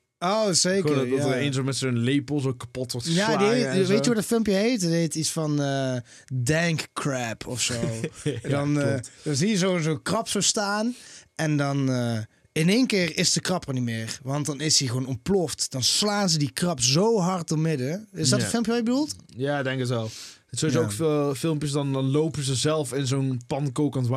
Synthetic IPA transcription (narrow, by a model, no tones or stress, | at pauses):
owzejkəenzəmɛsnlejpəl̩ˠzokḁpɔtʋɔɹtjaːdiɦetʋejjəʋɑtdətfɪlˠmpjəɦejtdɦejtitsfɑnə | dɛŋkkrɛpʰɔfsowdɑnd̥ɑzijəzozoːkrɑpsostaːnɛndɑnə | ɪneːnkɪːrɪsdəkrɑpənimɪːrʋɑntdɑnɪsdiɣəʋonɔmplɔftd̥ɑnslaːnzədikrɑpzowɦɑɹt̚dɔmɪdəɪsdɔtənfɪlˠmpjəʋajəbədulˠt | jaːdɛŋkətɛlˠsowiokffɪlˠmpjəsdɑndɑnlowpənzəzɛlˠfɪnzownpɑnkowkənʋa